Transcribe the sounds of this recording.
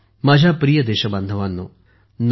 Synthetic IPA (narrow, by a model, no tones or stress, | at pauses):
mɐd͡ʒʱapɾijəd̪eːʃɐbɐ̃nd̪ʱəʋanːṵː | n